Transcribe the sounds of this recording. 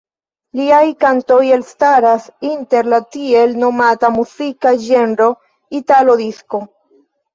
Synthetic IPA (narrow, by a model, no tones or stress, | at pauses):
liajkantojelstaɾasinte̞ɾlatie̞lno̞matamuzikaʒenɾo̞ | italo̞disko̞